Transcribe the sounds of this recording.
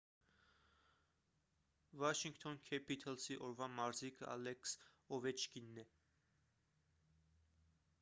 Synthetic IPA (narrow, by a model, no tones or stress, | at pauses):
vɑʃiŋkt̪ʰɔnkʰɛpit̪ʰɛlsiʔɔɾvɑmɑɾzikʰəɑ̰lɛks | ɔvɛt͡ʃkinːɛ